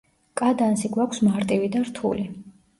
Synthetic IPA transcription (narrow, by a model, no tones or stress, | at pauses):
kʼad̪ansiɡwakʷʰsmaɾt̪ʼivid̪aɾt̪ʰṵli